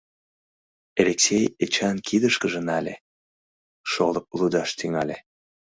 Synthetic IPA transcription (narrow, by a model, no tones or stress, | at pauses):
elʲeksʲejet͡ɕɑnkʰid̪əʃkəʒə̆nɑlʲḛ | ʃolˠɤp̚lud̪ɑʃt̪yŋɑlʲe